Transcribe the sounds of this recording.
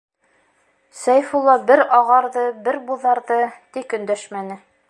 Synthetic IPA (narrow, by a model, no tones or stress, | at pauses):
sæjfulˠːɑbɘɾɑʁɑɾðɤbɘɾbuðɑɾðɤt̪ikɵ̆nd̪æʃmænɘ